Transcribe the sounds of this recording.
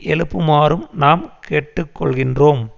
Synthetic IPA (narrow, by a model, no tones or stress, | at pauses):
ʔɛlɯpːɯmaːɾɯmnaːmkeːʈːɯkːɔɭɣɪndroːm